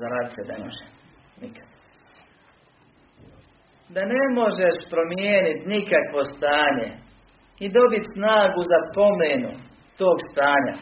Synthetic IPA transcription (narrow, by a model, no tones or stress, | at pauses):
zaɾaːd̪it̪sed̪eo̰ʒe | nikḁd̪ | d̪ane̞mo̞ʒeʃpɾo̞mjeːnit̪nikakʋo̞st̪aːɲe | id̪o̞bit̪snaːɡuzapo̞menu | t̪o̞ːɡst̪aːɲa̰